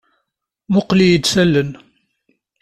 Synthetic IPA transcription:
mʊqlijəd̪sælːən

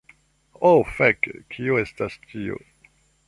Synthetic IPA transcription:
ofekkʰioestastio̰

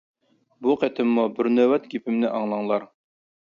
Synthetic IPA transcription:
buqʰɛt̪ʰɪmːubɪɾnøwɛt̪ɡʲipʰɪmnɪʔɑŋlˠɑŋlˠɑɾ

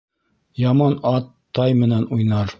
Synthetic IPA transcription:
jɑmɑnɑt̪ːɑjmɘ̆nænujnɑɾ

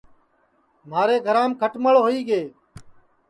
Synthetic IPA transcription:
m̤aːɾeːɡʱəɾaːmkʰəʈməɭɦoːiːɡeː

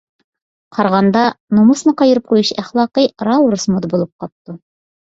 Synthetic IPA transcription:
qʰɑɾʁɑnd̪ɑnumŭsnɤqɑjɤ̆ɾɘp̚qujɤɕæχlˠɑqiɾawɾosmod̪bulˠɤp̚qɑp̚t̪ɤ

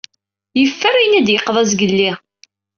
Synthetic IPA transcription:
jəfːəɾijnæd̪jəqːðˤɑzɡəlːi

